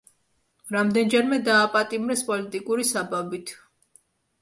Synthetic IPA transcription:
ɾamd̪ɛnd͡ʒɛɾmɛd̪aːpʼat̪ʼimɾɛspʼɔlit̪ʼikʼuɾisababit̪ʰ

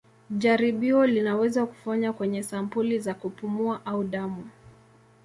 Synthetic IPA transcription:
ʄaɾiɓiɔlinawɛzaku̥faɲakwɛɲɛsampulizakupumuaʔauɗamu

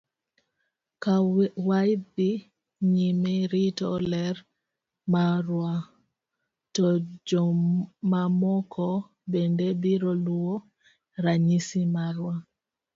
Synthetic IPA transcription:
kawajbi | ɲimɛɾitɔlɛɾ | maɾwa | tɔd͡ʒɔmamɔkʰɔ | bɛndɛbiɾɔluwɔ | ɾaɲisimaɾwa

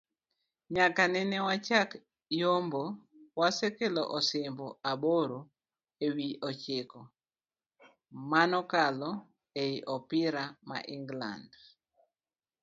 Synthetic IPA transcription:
ɲakanɛnɛwat͡ʃak | jombowasekeloʔɔsɪmbɔaboɾo | ewiʔɔt͡ʃɪkɔ | manɔkalɔ | eiʔɔpɪɾama̰ʔiŋɡla̰nd

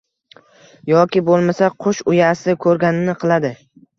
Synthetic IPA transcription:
jɒkʲɪbolˠmasaqʰʊʃʊjasɪkʰɵɾɡʲanɪnɪqʰɨlˠad̪ɪ

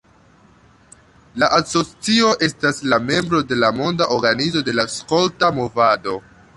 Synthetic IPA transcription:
laʔaso̞t͡sio̞ʔe̞staslame̞mbɾo̞de̞lamo̞ndaʔo̞ɾɡanizo̞de̞laskoltamo̞vado̞

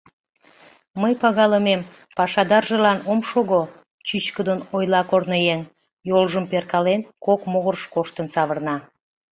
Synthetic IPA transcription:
məjpɑɣɑləmem | pɑʃɑd̪ɑrʒəlɑnomʃoɣo | t͡ɕyɕkəd̪ənojlɑkornəjen | jolˠʒəmperkɑlenkokmoɣərʃkoʃt̪ənsɑβərnɑ

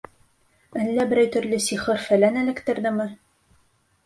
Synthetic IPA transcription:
ɘ̆nlæbɘ̆ɾæjt̪ɵ̆ɾlɘsiχɤɾfælænæ̆lɘ̆kt̪ɘ̆ɾd̪ɘmɘ

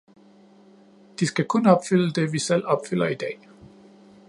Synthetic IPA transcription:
d̥isɡ̥ækʰɔnɒ̽b̥fyl̰əd̥e̝ʋisel̰ɒ̽b̥fyl̰ɐid̥ɛ̰ː

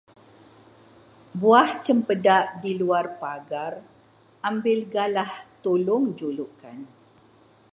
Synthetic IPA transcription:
buaht͡ʃəmpədaʔdiluarpaɡar | ʔambɪlɡalaht̪ulʊŋd͡ʒuluʔkan

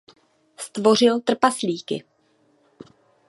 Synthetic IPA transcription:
st̪vo̞r̝ɪlt̪r̩pasliːkɪ̰

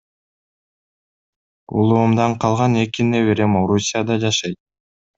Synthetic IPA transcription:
ṵlˠuːmd̪ɑɴqʰɑlˠʁɑne̞kineβe̞ɾe̞mo̞ɾusʲijad̪ɑd͡ʒɑʃɑjt̪̚

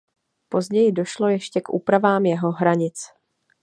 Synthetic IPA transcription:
po̞zɟɛjɪdo̞ʃlo̞jɛʃcɛkʔṵːpɾavaːmjɛɦo̞ɦɾaɲɪt͡s

